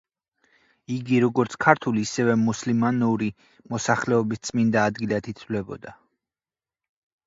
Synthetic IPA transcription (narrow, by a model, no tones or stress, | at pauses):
iɡiɾɔɡɔɾt̪sʰkʰaɾt̪ʰuliːsɛvɛmuslimanuɾi | mɔsaχlɛɔbist̪sʼmind̪aːd̪ɡilat̪ʰit̪ʰvlɛbɔd̪a